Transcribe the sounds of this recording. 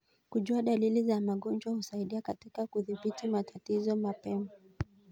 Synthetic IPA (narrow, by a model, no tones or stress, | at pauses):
kuʄuaɗalilizamaɠɔnd͡ʒwahusaiɗiakatikakuðiɓitimatatizɔmapɛma